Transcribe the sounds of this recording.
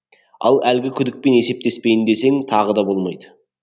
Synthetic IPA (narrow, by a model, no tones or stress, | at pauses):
ɑ̰lˠælɡʲɪkʲʰʏd̪ɪk̚pe̞ne̞se̞p̚t̪e̞spe̞jɪnd̪e̞se̞ŋt̪ʰɑʁəd̪ɑbo̞lˠmɑjd̪ə